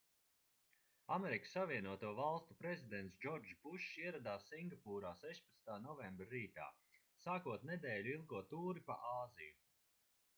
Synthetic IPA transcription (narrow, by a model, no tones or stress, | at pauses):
ameɾikəsːaviɛnuɔt̪uɔvalˠst̪upɾɛzʲid̪ɛnt̪sd͡ʒɔɾd͡ʒpuʃiɛɾad̪aːsːiŋɡapuːɾaːsɛʃpḁt̪snt̪aːnɔvɛmbɾaɾiːt̪a̰ː | saːkuɔt̪̚nɛd̪ɛːlʲuilˠɡuɔt̪uːɾipa̰ʔaːziju